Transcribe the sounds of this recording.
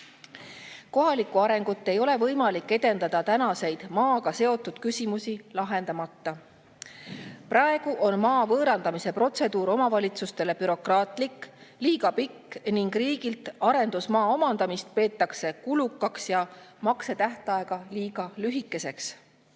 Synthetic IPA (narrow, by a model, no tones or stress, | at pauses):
ko̞ɦɑlikːˑuɑɾe̞ŋɡ̥ut̪ːe̞jo̞le̞vɤjmɑlikːe̞d̪e̞nd̪ɑd̪̥ɑt̪ænɑse̞jd̪̥mɑːɡɑse̞o̞t̪ːˑud̪̥kysʲimusilɑɦe̞nd̪̥ɑmɑt̪ːɑ | prɑe̞ɡ̥uʔo̞nmɑːvɤːɾɑnd̪ɑmise̞pro̞t̪se̞d̪̥uːɾo̞mɑvɑlʲit̪sust̪e̞le̞pyɾo̞krɑːt̪ˑlikːliːɡɑpikːniŋɡriːɡilt̪ɑɾe̞nd̪̥usmɑːo̞mɑnd̪ɑmist̪̚pe̞ːt̪ːˑɑkse̞kulukːˑɑksjɑmɑkse̞t̪æht̪ɑe̞ɡ̥ɑliːɡ̥ɑlyɦikˑːe̞se̞ks